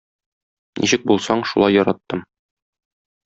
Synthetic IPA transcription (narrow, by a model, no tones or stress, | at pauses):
nḭɕɘk̚bulˠsɑɴʃulˠɑjːɒɾɑt̪ːɤm